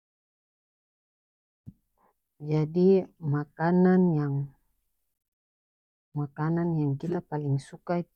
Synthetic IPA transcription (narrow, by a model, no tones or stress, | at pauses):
d͡ʒadimakananjaŋ | makananjaŋɡilapaliŋsukai